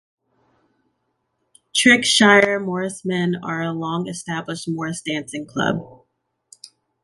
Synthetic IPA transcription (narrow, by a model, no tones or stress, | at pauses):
tʰɹ̥ɪkʃaɪə˞mɔɹsmɛ̃nə˞əlɔ̃ŋɨstæbləʃt̚mɔɹsd̥æ̃nsɪ̃ŋkʰl̥ʌ̰b̥̚